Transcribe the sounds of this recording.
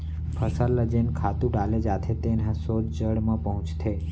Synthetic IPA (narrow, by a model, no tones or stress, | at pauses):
pʰəsalːəd͡ʒenkʰat̪ũɖaled͡ʒat̪ʰet̪enãsod͡ʒd͡ʒəɽmãpəɦʊ̃t͡ʃt̪ʰe